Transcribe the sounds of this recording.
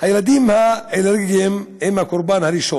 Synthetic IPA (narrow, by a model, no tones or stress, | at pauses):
hajelad̪imhaeneɾɡiemhemhakoɾbanhaɾiʃo